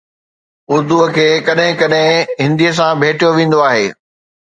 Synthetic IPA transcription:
ʊɾd̪uəkʰeːkɐɗɦɪ̃kɐɗɦɪ̃ɦɪ̃nd̪ijəs̬ãbʱeːʈijoʋẽːn̆d̪oaːɦeː

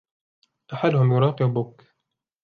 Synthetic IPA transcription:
ʔaħalːʊhʊmjʊɾˤɑːqɪbʊk

